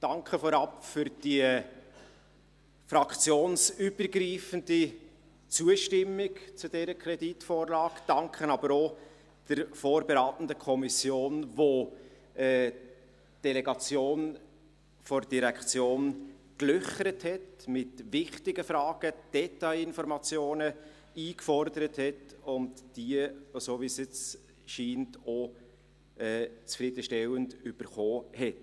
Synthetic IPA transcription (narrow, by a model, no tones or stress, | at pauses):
d̥ɑŋkχəfɔɾɑpfʏɾd̥iə | fɾɑkt͡sjoːnsyb̥əɾɡɾiːfəndi | t͡suəʃtɪmːɪkt͡sʊd̥ɛːɾəkʰɾɛditfoːɾlɑːkd̥ɑŋkχənɑbəɾo | d̥əɾfoːɾbɛɾaːtn̩dəkʰɔmisjoːnvo | ɛː | d̥ɛlɛɡɑt͡sjoːn | fɔɾd̥iɾækχt͡sjoːnklʏχəɾəthɛtmɪtvɪχtɪɡəfɾɑːɡ̥əd̥ɛtaɪɪnfɔɾmɑt͡sjoːnə | iːkfɔɾdəɾəthɛtʊntd̥iəsoːviːsjɪt͡s | ʃiːnto | ɛːt͡sfɾɪd̥əʃtɛwəntʏb̥əɾχoːhɛt